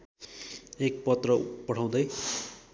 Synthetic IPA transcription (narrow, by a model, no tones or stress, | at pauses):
ek̚pʌt̪rʌpʌɽ̤ʰaw̃d̪ʌj